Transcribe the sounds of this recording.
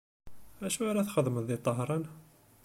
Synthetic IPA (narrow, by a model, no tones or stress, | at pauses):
æʃuæɾaθχəðˤmənðit̪ˤːɑɦɾˤɑn